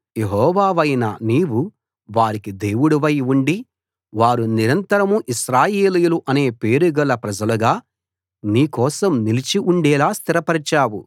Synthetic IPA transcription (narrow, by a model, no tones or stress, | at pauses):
jeɦɔːʋaːʋɐjnɐniːʋu | ʋaːɾikid̪e̞ːwuɽuʋɐjuɳɖi | ʋaːɾuniɾɐnt̪ɐɾɐmuʔiʃɾaːje̞ːlijuluʔɐne̞ːpe̞ːɾuɡɐlɐpɾɐd͡ʒɐlɐɡaː | niːkɔːsɐmnilit͡ʃiʔuɳɖɛːlaːst̪iɾɐpɐɾit͡ʃaːwu